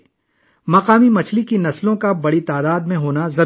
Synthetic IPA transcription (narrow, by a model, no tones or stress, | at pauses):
mɐqaːmimɐt͡ʃʰlikinɐslõkabɐɽit̪aːd̪aːd̪mẽɦoːnazɐɾ